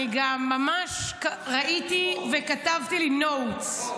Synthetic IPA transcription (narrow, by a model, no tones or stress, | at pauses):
iɡamːamaʃkʁaʔit̪ivekatavt̪ilinowts